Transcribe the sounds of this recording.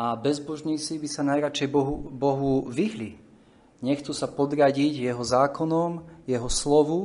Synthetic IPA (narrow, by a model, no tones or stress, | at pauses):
ʔabɛzbɔʒɲiːt͡sibisanajɾat͡ʃɛjbɔɦubɔɦuʋiɦli | ɲɛxt͡susapɔd̪ɾaɟiɟjɛɦɔzaːkɔnɔmjɛɦɔslɔʋu